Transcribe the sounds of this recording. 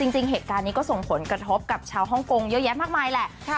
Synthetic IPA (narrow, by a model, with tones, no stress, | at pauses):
t͡ɕi˧ŋt͡ɕi˧ŋɦeː˨˩t̪̚kaː˧nːiː˦˥kɔː˥˩so˨˩ŋpʰo˩˦nkɾa˧t̪ʰo˦˥p̚ka˨˩p̚t͡ɕʰaː˧wɦɔ˥˩ŋko˧ŋjɤ˦˥ʔjɛ˦˥maː˥˩k̚maː˧jlɛ˨˩ʔʰ